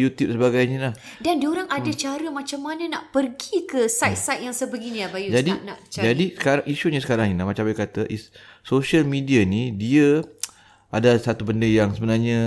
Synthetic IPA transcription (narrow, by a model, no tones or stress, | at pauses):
jut̪jup̚səbaɡajɲəlahdandioɾaŋadat͡ʃaɾəmãt͡ʃamːanənaʔpərɡikəsajt̪sajt̪̚jaŋsabəɡinĩlabajud͡ʒadianaʔt͡ʃad͡ʒadisə̥kaɾaŋiʃuɲasə̥kaɾaŋinamat͡ʃambajkat̪aʔisːoʃalmidianidiə | ʔadasat̪ubəndəjaŋsəbənarɲã